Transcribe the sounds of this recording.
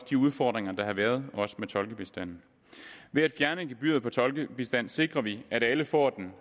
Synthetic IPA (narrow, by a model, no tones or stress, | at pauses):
d̥iuð̞ˠfɒ̰ːd̥ʁeŋɐd̥ɑ̈hɑ̈ʋæːɐð̞ˠɒ̽sə̥met͡sʰɒ̽lɡ̥əb̥e̝sd̥æn̰n̩ | ʋe̝æd̥fjæɐnəe̝nɡ̥eb̥y̰ð̩ˠpʰɒ̽t͡sʰɒ̽lɡ̥əb̥e̝sd̥æn̰se̝ɡ̥ʁɐʋiæɾæləfɒ̰ːd̥en̩